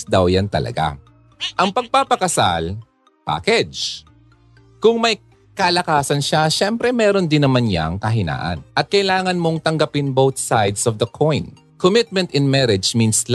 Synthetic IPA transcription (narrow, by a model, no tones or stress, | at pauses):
d̪awjant̪ɐ̰lɐ̰ɡa̰ | ʔɐŋpɐɡ̚papɐkɐsa̰l | pa̰ːkɛd͡ʒ | kʊŋmɐj | kɐlɐkaːsɐnʃaʃɛmpɾɛmɛːɾond̪ɪnːɐmanja̰ŋkɐɦɪna̰ːʔɐ̰nʔɐt̪̚kɐʔɪlaːŋɐnmo̞ŋt̪ɐŋɡɐpɪnbowθsajd̪sɔvd̪ɐkʰojn | komɪt̪̚mɛ̃nt̪ɛnmɛɾɛd͡ʒminsl